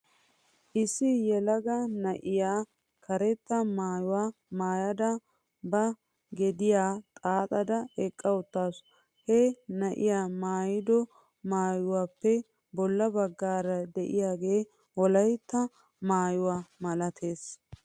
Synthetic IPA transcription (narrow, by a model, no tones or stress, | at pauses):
ʔɪsːɪjɛlɐɡɐnɐʔɪjaː | kʰɐɾɛt̪ːɐmaːjʊwaːmaːjɐd̪ɐ | bɐ | ɡɛd̪ɪjaːt̪ʼaːt̪ʼɐd̪ɐɛkʼːɐwʊt̪ːaːs | hɛnɐʔɪjaːmaːjɪd̪ɔ | maːjʊwaːpːɛ | bɔlːɐbɐɡːaːɾɐd̪ɛʔɪjaːɡe̞ː | ɔlɐjt̪ːɐ | maːjʊwaːmɐlɐt̪ʰe̞ːs